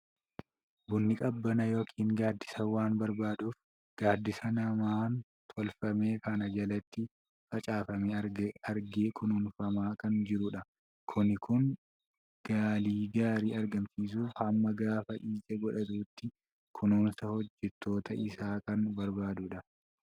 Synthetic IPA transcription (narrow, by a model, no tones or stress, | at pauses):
bʊnːɪkʼɐbːɐnɐjo̞ːkʰiːŋɡaːd̪ːɪsɐwaːnbɐɾbaːd̪uːf | ɡ̥aːd̪ːɪsɐnɐmaːn | t̪ʰɔlfɐme̞ːkɐnɐd͡ʒɐlɐt̪ːɪ | fɐt͡ʃʼaːfɐmeːɐɾɡeːkʰʊnuːnfɐmaːkɐnd͡ʒɪɾʊᶑɐ | kʰʊnːɪkʊŋ | ɡ̥aːliːɡaːɾiːɐɾɡɐmsiːs̬uːfhɐmːɐɡaːfɐʔiːd͡ʒʼɐɡɔᶑɐt̪uːt̪ːɪ | kʰʊnuːnsɐhɔd͡ʒːɛt̪ːo̞ːt̪ʰɐʔɪsaːkɐnbɐɾbaːd̪ʊᶑɐ